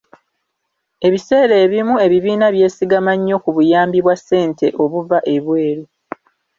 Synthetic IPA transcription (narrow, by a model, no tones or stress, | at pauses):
e̞βise̞ːɾe̞ːβimue̞βiβiːnaβje̞ːsiɡamaɲːo̞kuβujaːmbiβwasːe̞ːnte̞ʔo̞βuvaʔe̞βwe̞ːɾi